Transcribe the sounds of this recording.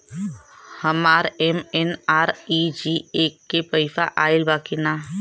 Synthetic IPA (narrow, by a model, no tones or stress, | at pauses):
həmaːɾemenaːɾid͡ʒieːkːepəɪfaʔaːɪlbaːkinaː